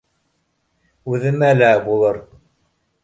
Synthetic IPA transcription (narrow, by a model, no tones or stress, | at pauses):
uðəmælæbulˠəɾˤ